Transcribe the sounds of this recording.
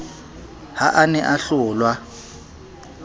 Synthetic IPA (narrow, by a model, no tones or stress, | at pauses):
haʔanɛʔaɬʊːlwa